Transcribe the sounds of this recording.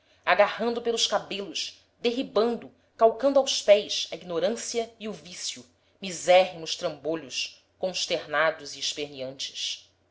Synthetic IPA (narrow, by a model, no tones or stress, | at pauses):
aɡahɐ̃nd̪ʊpelˠʊskabelʊʃ | d̪eɦibɐ̃nd̪ʊ | kawkɐ̃nd̪ʊawspɛjsɐiɡnoɾɐ̃siɐiuvisju | mizɛɦimʊʃt̪ɾɐ̃mboʎʊs | kõʃt̪eɾnad̪ʊziːʃpeɾniɐ̃nt͡ʃɪ̥s